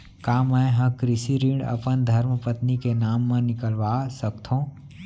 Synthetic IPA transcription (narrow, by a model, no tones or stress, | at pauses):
kaːmɛ̃ɦə̃kɾɪsiɾĩɳɖə̰pənd̪ʱəɾməpət̪nikenaːmːẽnɪkəlʋaːsəkt̪ʰõː